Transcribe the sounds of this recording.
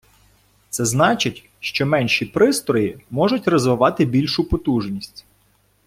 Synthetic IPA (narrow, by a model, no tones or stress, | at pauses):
t̪sɛznɑt͡ʃɪtʲ | ʃt͡ʃɔmɛnʲʃipɾɪst̪ɾɔjimɔʒʊtʲrɔzʋɪʋɑt̪ɪbʲilʲʃʊpɔt̪uʒnʲisʲtʲ